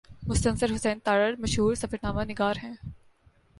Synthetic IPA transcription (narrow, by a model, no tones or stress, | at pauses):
mʊst̪ənsəɾɦʊsɛ̃ːnt̪aːɾəɾmɐʃɦuːɾsɐfəɾnaːmanɪɡaːɾɦɛ̃ː